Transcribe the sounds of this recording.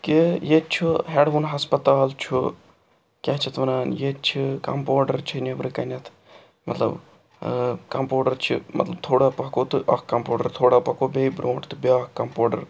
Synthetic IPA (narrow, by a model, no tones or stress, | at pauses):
kijet͡ʃʰuɦeɖʋunɦɐspɐt̪aːlt͡ʃʰu | kʲɐɦt͡ʃʰit̪ʋɐnaːnjett͡ʃʰikɐ̰mpoːɖɐɾt͡ʃʰinebɾɨkɐnʲɐt̪ʰ | mɐt̪lɐ̰b | kɐmpoːɖɐɾt͡ʃʰḭmɐ̰t̪lɐb̚t̪ʰoːɽapɐkoːt̪ɨʔɐkkɐmpoːɖɐ̰ɾt̪ʰoːɽapɐkoːbʲeibɾoːɳʈt̪ɨbʲaːkkːɐmpoːɖɐ̰ɾ